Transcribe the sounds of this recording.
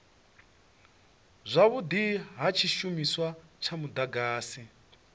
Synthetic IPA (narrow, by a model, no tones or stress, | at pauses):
zʷaβud̪iɦat͡ʃʰiʃumiswat͡ʃʰamud̪aɡaːsi